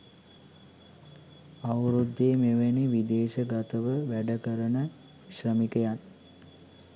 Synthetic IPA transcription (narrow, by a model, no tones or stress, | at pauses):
aʋɾud̪ːeːmeʋeniʋid̪eːʃəɡat̪əʋəʋæɖəkəɾənə | ʃrəmikəjat